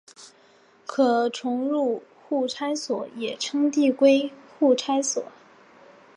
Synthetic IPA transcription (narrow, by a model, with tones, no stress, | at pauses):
kʰɤ˨˩ʈ͡ʂʰʊ˧˥ŋɻu˥˧ | xu˥˩ʈ͡ʂʰa˥ɪswɔ˨˩˦jɛ˨˩ʈ͡ʂʰɤ˥ŋt̪̬i˥˧kwe˥ɪxu˥˩ʈ͡ʂʰa˥ɪswɔ̰˨˩˦